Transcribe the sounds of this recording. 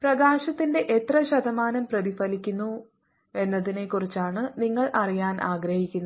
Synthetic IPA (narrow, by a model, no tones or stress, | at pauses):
prɐɡaːɕɐt̪ːinde̞ʔet̪rɐɕɐd̪ɐmaːnɐmprɐðifɐlikʲːunːu | e̞nːɐðine̞kːurit͡ɕːaːɳɨniŋːɐɭʔɐrijaːnʔaːɡɾɐhikʲːunːɐ